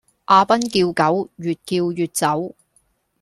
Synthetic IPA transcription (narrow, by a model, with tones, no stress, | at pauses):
ʔaː˧pɐ˥nkiː˧wkɐ˨˥wjyː˨t̚kiː˧wjyː˨t̚t͡sɐ˨˥w